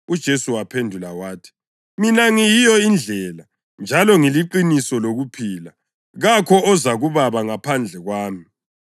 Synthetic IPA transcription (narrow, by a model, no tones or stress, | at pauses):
ud̥ʒ̥ʱesuwapʰendʱulawaːtʰi̥ | minaŋijijɔind͡ɮʱɛla | nd͡ʒʱalɔŋiliǃinisɔloɣupʰiːla | ɣakʰɔɔzaɣuβaβaŋapʰand͡ɮʱɛɣwaːmi